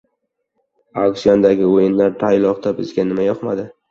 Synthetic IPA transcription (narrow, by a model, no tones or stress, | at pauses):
aksijond̪aɡʲɪojɪnlaɾt̪ʰajlˠɒqt̪abɪzɡʲanɪmajɒqmad̪ɪ